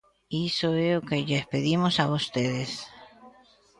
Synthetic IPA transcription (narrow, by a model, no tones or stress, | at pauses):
isoeokeʎespeðimosaβost̪eðes